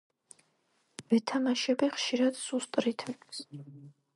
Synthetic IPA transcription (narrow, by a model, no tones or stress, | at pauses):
vɛt̪ʰamaʃɛbiχʃiɾad̪sust̪ʼɾit̪ʰɛs